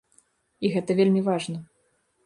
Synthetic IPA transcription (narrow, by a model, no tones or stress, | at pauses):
iɣɛt̪ɐvʲelʲmʲivaʐnɐ